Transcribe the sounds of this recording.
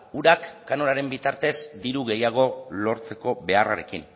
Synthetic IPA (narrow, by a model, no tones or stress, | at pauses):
uɾakːano̞ɾaɾe̞mbit̪aɾt̪e̞zd̪iɾuɣe̞jaɣ̞o̞lo̞ɾt͡se̞ko̞βe̞ara̰ɾe̞kin